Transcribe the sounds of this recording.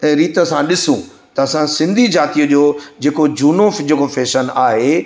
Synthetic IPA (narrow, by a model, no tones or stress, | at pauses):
ɛ̃ːɾiːt̪əsãɗɪsũ | t̪ɐɐsãsɪ̃nd̪ʱid͡ʑaːt̪ijəd͡ʑoːd͡ʑeːkod͡ʑuːnofd͡ʑeːkofeːʃənaːɦe